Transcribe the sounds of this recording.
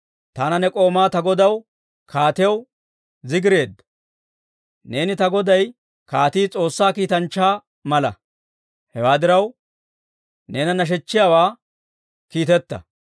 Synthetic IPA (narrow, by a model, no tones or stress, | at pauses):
t̪aːnɐnɛkʼo̞ːmaːt̪ɐɡɔd̪ɐw | kʰaːt̪ɪw | zɪɡɪɾe̞ːd̪ːɐ | ne̞ːnɪt̪ɐɡɔd̪ɐj | kaːt̪iːt͡sʼo̞ːsːaːkiːt̪ɐnt͡ʃːaː | mɐlɐ̰ | hɛwaːd̪ɪɾɐw | ne̞ːnɐnɐʃ̬ɛt͡ʃːɪjaːwaː | kiːt̪ɛt̪ːɐ̰